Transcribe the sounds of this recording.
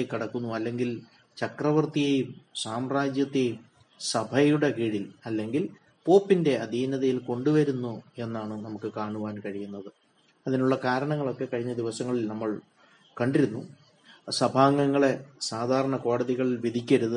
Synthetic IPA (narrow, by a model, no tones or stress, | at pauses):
ekːiɽɐkːunːuɐlːe̞ŋɡil | t͡ɕɐkrɐʋɐrt̪ijejumsaːmraːd͡ʑjɐt̪ːe̞jum | sɐbʱɐjuɽe̞kiːɻilɐlːe̞ŋɡil | po̞ːpːinde̞ɐd̪ʱiːnɐðɐjilko̞ɳɖuʋɐɾunːue̞nːaːɳɨnɐmukːɨkaːɳuʋaːnkɐɻijunːɐðɨ | ɐðinuɭːɐkaːɾɐɳɐŋːɐɭo̞kːe̞kɐɻiɲːɐd̪iʋɐsɐŋːɐɭilnɐmːɐɭ | kɐɳɖiɾunːu | sɐbʱaːŋːɐŋːɐɭe̞saːd̪ʱaːɾɐɳɐko̞ːɽɐðiɣɐɭilʋid̪ʱikʲːɐɾuðɨ